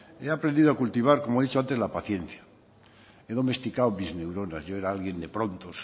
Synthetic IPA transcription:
e̞apɾend̪iðoakult̪iβ̞aɾko̞moeðit͡ʃoant̪e̞zlapaθje̞n̟θja | eðo̞me̞st̪ikawmizne̞wɾo̞nazʝo̞e̞ɾaalɣje̞nd̪e̞pɾõ̞nt̪os

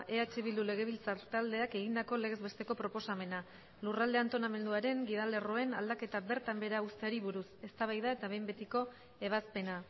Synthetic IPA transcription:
ʔe̞at͡ʃe̞βild̪ule̞ɣ̞e̞β̞ilt͡sat̪ald̪e̞ake̞ɣ̞ind̪ako̞le̞ɣ̞e̞zβe̞st̪e̞ko̞pɾo̞po̞same̞na | lurald̪e̞ant̪o̞name̞nd̪uaɾe̞ŋɡið̞ale̞ro̞e̞na̰ld̪ake̞t̪abe̞ɾt̪ambe̞ɾaust̪e̞aɾiβuɾuse̞st̪aβ̞ajðae̞t̪aβe̞jmbe̞t̪iko̞ | e̞β̞aspe̞na

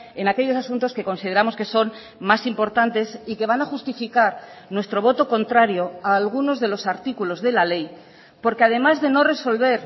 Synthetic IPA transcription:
e̞nake̞ʎo̞sasunt̪o̞ske̞ko̞nsið̞eɾamo̞ske̞so̞n | masimpo̞ɾt̪ant̪e̞sike̞β̞anaxust̪ifikaɾnwe̞st̪ɾo̞β̞o̞t̪o̞ko̞nt̪ɾaɾjo̞aːlɣuno̞zðe̞lo̞saɾt̪ikulo̞zðe̞lale̞j | po̞ɾkeað̞e̞mazðe̞no̞re̞so̞lβe̞ɾ

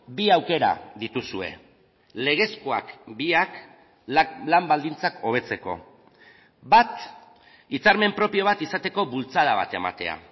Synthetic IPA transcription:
biawke̞ɾa̰ðit̪usue̞̰ | le̞ɣ̞e̞skoa̰kbiak | lambald̪int͡sako̞β̞e̞t͡se̞ko̞̰ | bat̪ | it͡saɾme̞mpɾo̞pijo̞βat̪isat̪e̞ko̞βult͡saðaβ̞at̪e̞ma̰t̪e̞̰a̰

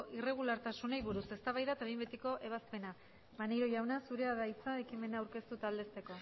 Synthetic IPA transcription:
ʔire̞ɣ̞ulaɾt̪asunejβuɾuse̞st̪aβajðat̪aβembet̪iko̞ʔe̞β̞aspe̞na | βanejɾo̞ʝawnasuɾe̞aðajt͡saekime̞naːwɾke̞st̪ut̪ald̪e̞st̪e̞ko̞

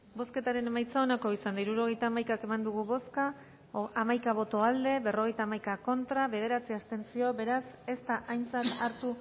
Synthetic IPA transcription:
bo̞ske̞t̪aɾe̞ne̞majt͡saonako̞isand̪aiɾuɾo̞ɣ̞e̞jt̪aːmajkake̞mand̪uɣuβo̞ska | amajkaβ̞o̞t̪o̞ald̪e̞βe̞ro̞ɣ̞e̞jt̪aːmajkako̞nt̪ɾaβe̞ð̞e̞ɾat͡siast̪e̞nt͡sio̞be̞ɾase̞st̪aʔajnt͡sat̪aɾt̪u

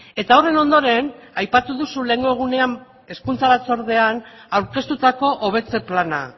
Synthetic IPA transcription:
e̞t̪aore̞no̞nd̪o̞ɾe̞najpat̪uðusule̞ːŋɡo̞eɣ̞une̞an | e̞skunt͡saβat͡so̞ɾðe̞an | awɾke̞st̪ut̪ako̞ʔoβ̞e̞t͡se̞plana̰

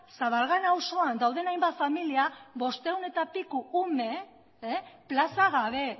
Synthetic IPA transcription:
saβalɣanawso̞and̪awðe̞najmbat̪familiaβo̞st̪e̞une̞t̪apikuume̞ | plasaɣ̞aβ̞e̞

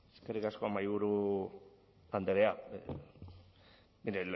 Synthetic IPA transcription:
eskerikasko̞majβuɾu | and̪eɾea | niɾel

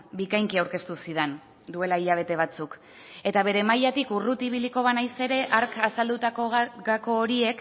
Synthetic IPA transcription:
bikajŋkiawɾke̞st̪usiðen | d̪ue̞laiʎaβ̞e̞t̪e̞β̞at͡suk | e̞t̪aβe̞ɾe̞majat̪ikurut̪iβ̞iliko̞βanajse̞ɾe̞ʔaɾkasald̪ut̪akoɣako̞ːɾie̞k

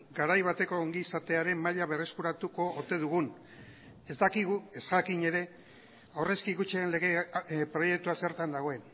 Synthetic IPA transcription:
ɡaɾajβat̪e̞ko̞ːŋɡiːsat̪e̞aɾe̞mmaʎaβe̞re̞skuɾat̪uko̞ːt̪e̞ðuɣ̞un | e̞zd̪akiɣue̞zɣakiɲe̞ɾe̞ | awre̞skiɣut͡ʃeenle̞ɣe̞pɾo̞je̞k̚t̪uase̞ɾt̪and̪aɣ̞o̞e̞n

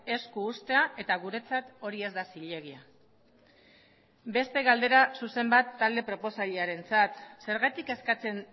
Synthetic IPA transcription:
e̞skuːst̪e̞ae̞t̪aɣuɾe̞t͡sat̪o̞ɾie̞zd̪asiʎe̞ɣia | be̞st̪e̞ɣald̪e̞ɾasuse̞mbat̪ːald̪e̞pɾo̞po̞saʎeaɾe̞nt͡sat̪se̞ɾɣat̪ike̞skat͡se̞n

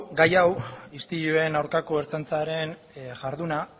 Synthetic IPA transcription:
ɡajawist̪iʎue̞nawɾkako̞eɾt͡sant͡saɾe̞n | ʝaɾðuna

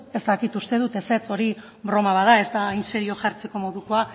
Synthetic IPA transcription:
e̞st̪akit̪ust̪e̞ð̞ut̪e̞se̞t͡so̞ɾi | bɾo̞maβaðae̞zt̪ainse̞ɾio̞ʝaɾt͡se̞ko̞mo̞ðuko̞a

